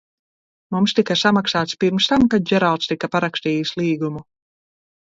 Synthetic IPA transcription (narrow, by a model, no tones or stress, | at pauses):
mumst̪ikasamaksaːt̪spiɾmst̪amkad̪̚d͡ʒɛɾalˠt̪st̪ikapaɾakst̪iːslˠiːɡumu